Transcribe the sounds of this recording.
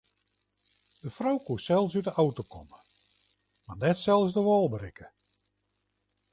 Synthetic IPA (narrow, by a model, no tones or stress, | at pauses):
d̥əfrowkuəsɛlˠfsytəʔawtokʰɔ̰mə | marnɛtsɛlˠsdəʋɔːlˠbəɾɪkə